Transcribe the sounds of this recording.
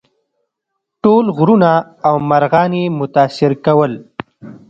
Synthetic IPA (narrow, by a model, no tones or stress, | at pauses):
ʈoːlɣɾuna | awmaɾɣɑːnemʊt̪ɑːsɪɾkawəl